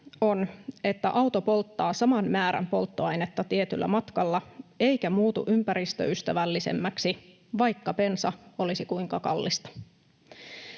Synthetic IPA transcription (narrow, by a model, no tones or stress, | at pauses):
o̞ne̞t̪ːæʔɑwt̪opo̞lt̪ːɑːsɑmɑnmæːɾæ̰mpo̞lt̪ːoɑjnet̪ːɑt̪iet̪y̰lːæ̰mɑt̪kɑlːɑe̞jkæmuːt̪ṵʔympæɾist̪ø̰yst̪æʋælːisḛmːæksi | ʋɑjkːɑpe̞nsɑo̞lisikuiŋkɑkɑ̰lːist̪ɑ̥